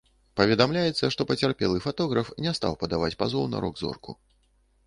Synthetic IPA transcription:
pɐvʲɛd̪amlʲajɛt̪sːɐʂt̪ɔpɐt͡sʲarpʲɛlˠɨfat̪ɔɣɾɐfnʲɛst̪a̰wpɐd̪avat͡sʲpazɔwnɐ̰ɾɔɡzɔ̰rku

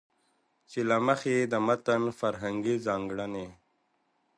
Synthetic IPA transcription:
t͡ɕilaməxed̪əmɐt̪ənfɐɾɦəŋɡizaːŋɡɽane

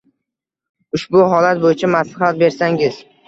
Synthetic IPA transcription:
ʊʃbʊɦɒlat̪̚bojɪt͡ʃʰamaslaɦat̪̚be̞ɾsaŋɪz

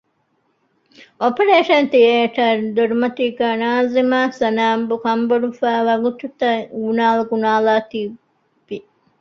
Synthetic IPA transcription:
ʔopeɾeːʃɐnt̪ieːʈɐɾd̪oɾumɐt̪iːɡæːnaːzimaːsɐnaːmbukɐmboɽufæːʋɐɡut̪ut̪ɐɡunaːlɐɡunaːlaːt̪iː | ʋi

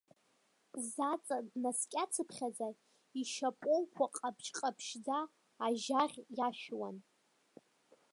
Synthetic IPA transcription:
zat͡sʼadnaskʲʼat͡sʰɨpʰχʲaza | iʃapʼowkʷʰaqʼapʰt͡ʃʰʼqʼapʰʃd͡zaː | ʒaʁʲjaʃᶣwa̰n

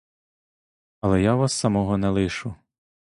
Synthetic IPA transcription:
ɐlˠɛjaʋɑsːɐmɔɦɔnɛlˠɪʃʊ

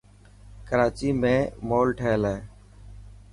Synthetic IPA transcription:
kəɾaːt͡ʃiːmẽːmoːlʈʰeːleeː

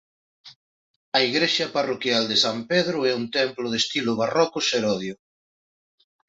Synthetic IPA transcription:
ɐiɣɾeʃɐparokjald̪esampeðɾʊɛunt̪ɛmplʊð̞est̪ilʊβarɔkʊseɾɔðjʊ

